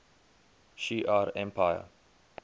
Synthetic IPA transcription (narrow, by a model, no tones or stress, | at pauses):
ʃiʔaɹɛ̃mpʰaɪə̰